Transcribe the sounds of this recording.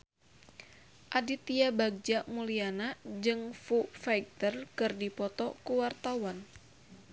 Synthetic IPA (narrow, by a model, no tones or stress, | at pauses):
ʔadit̪iabaɡ̚d͡ʒaʔmulianad͡ʒɨŋfufajɡ̚t̪ərkɨrdipɔt̪ɔkuwart̪awan